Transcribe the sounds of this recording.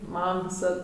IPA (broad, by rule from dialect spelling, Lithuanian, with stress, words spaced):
ˈmɐm ʋʲɪˈsɐt